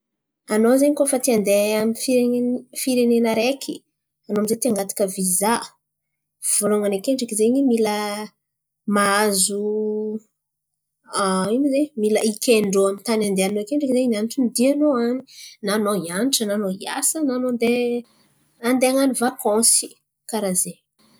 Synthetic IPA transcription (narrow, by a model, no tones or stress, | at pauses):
anozeɲikofət̪iand̪eamifieefiɾenenəɾekʲʰi | anoamizet̪iaŋɡat̪ḁkəviza | v̥uluŋanekeɳɖ͡ʐakizeɲimilə | maazu | aimizemiləikʲeɳɖ͡ʐoamint̪anand̪eanoekeɳɖ͡ʐakizeinaniʈ͡ʂinid̪ianoani̥nanoianʈ͡ʂənanoia̰sənanond̪e | and̪eaŋanivakɔ̃si̥ | kaɾaze